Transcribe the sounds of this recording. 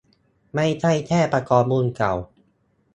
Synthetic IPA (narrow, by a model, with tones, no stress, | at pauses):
ma˥˩jt͡ɕʰa˥˩jt̪ʰɛː˥˩pɾa˧kɔː˨˩p̚mu˧nka˨˩w